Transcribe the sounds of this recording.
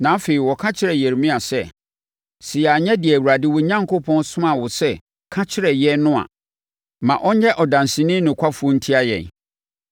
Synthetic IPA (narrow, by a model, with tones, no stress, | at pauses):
nã˨˦fe˨ɾi˨wɔ˨kʰã˦t͡ɕʰɪ˦ɾɛ˨jɛ˨ɾmĩ˦a˨sɛ˦˨ | sɪ˨a˨ɲɛ̃˦di˨ɛ˨wu˨ɾa˨dɪ˦wʊ˨˦ɲã˦ŋkʰo˦pʰɔ̃˦nsʊ̃˦mã˨wʊ˨sɛ˦ | kʰã˦t͡ɕʰɪ˦ɾɛ˨jɛ˦nʊ̃˦a̰˨ | mã̰˨ʔɔ˦ɲɛ˦ʔɔ˨dã˨n˨sɪ̃˨nɪ̃˦nʊ̃˨kʷʰa˦fu˦ɔ˦n̩˦tʰi˦a˦jɛ̰̃˨n